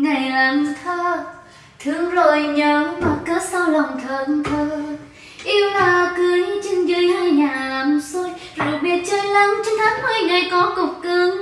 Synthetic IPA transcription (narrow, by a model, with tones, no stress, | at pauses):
ŋa˨˩jlaː˨˦mt̪ʰəː˧ | t̪ʰɨ˨˧˩əŋlo̰˧˨jɲəː˨˦ma˨˩t̚kəː˨˦˥t̚sa˧wlə˨˩wŋ͡mt̪ʰəː˨˩nt̪ʰəː˧ | ʔi˧əwlaː˨˩˨kɨ˨˦əjt͡ɕi˧ŋzə˧˦jhaː˧jɲaː˨˩laː˨˦mso˧jzo˨˩jɓi˧˨˩ət̚t͡ɕəː˧jlaː˨˦nt͡ɕɔ˧nt̪ʰaː˨˦ŋmə˧jŋa˨˩jkɔ˨˦kʊ˨˩k͡p̚kɨ˧˦əŋ